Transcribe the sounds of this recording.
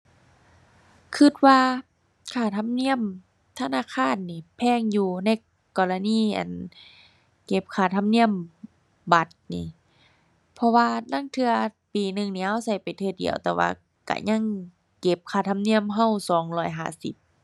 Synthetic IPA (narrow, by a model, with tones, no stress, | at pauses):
kʰɯ˧t̪̚waː˧ | kʰaː˧˩t̪ʰa˧˥mni˧˥˨əm | t̪ʰa˧˨naː˧˥˨kʰaː˧˥˨nːiː˧˩pʰɛː˧˥˨ŋjuː˧na˧˥˨j | kɔː˧˨la˧niː˧˩˨ʔa̰˨˩n | ke˧˦p̚kʰaː˧˩t̪ʰa˧˨mni˧˥˨əm | ba˧˦t̪̚niː˧˩ | pʰɔ˧waː˧na˧˥˨ŋt̪ʰɯ˧ɐpiː˨˩nɯ˧ŋniː˧˨ʔa˧˨wsa˧˩jpa˨˩jt̪ʰɯː˧˩dḭ˨˩əwt̪ɛː˧wa̰ː˧ | ka̰˧˩ɲa˧˥˨ŋ | ke˧˦p̚kʰaː˧˩t̪ʰa˧˨mni˧˥˨əmɦa˧˩˨wsɔː˨˦ŋlɔː˧˩jɦa̰ː˧˩˨sḭ˧˦p̚